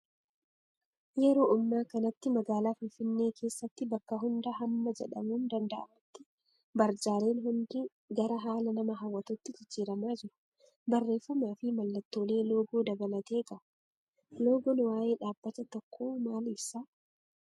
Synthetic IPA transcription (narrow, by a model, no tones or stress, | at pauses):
jɛɾo̞ːʔʊmːaːkɐnɐt̪ːɪmɐɡaːlaːfɪnfɪnːe̞ːkʰe̞ːsːɐt̪ːɪbɐkːɐɦʊnd̪ɐɦɐmːɐd͡ʒɛᶑɐ̰muːnd̪ɐnd̪ɐʔɐ̰mɪt̪ːɪ̥ | bɐɾd͡ʒaːɾe̞ːnɦʊnd̪ɪ | ɡɐɾɐɦaːlɐnɐmɐɦɐwːɐt̪ʊt̪ːɪd͡ʒɪd͡ʒːiːɾɐmaːd͡ʒɪɾʊ̥ | bɐrːe̞ːfːɐmaːfɪmɐlːɐt̪ːo̞ːle̞ːlo̞ːɡoːd̪ɐbɐlɐt̪e̞ːɡɐ | lo̞ːɡɔnwaːje̞ːᶑaːbːɐt̪ɐt̪ɔkʰːo̞ːmaːlɪsaː